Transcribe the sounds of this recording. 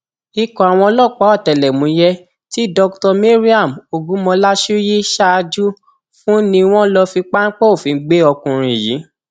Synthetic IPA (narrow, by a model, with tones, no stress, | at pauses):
i˧kɔ̃˨a˨w̃ɔ̃˧lɔ˦˨k͡pa˨˦ɔ˦˨tɛ˨lɛ˨mũ˨˦jɛ˦ | ti˦dɔ˧ktɔ˧mi˦ɾi˦a˦˨mo˨ɡũ˨˦mɔ̃˧la˦ʃu˦ji˦ʃa˦˧d͡ʒu˦ | fũ˦nĩ˧w̃ɔ̃˦lɔ˧fi˧k͡pa˦n̩˦k͡pɔ˦o˦˨fĩ˨˧˦ɡ͡be˦ɔ˧kũ˧ɾ̃ĩ˧˨jḭ˨˦